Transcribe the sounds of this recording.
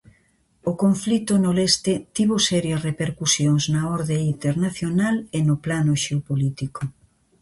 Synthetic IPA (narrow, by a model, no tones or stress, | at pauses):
ʊkoɱflit̪ʊnolest̪ɪt̪iβosɛɾjɐsrepeɾkusjoŋznɐoɾðeint̪eɾnaθjonalenʊplanʊʃeopolit̪iko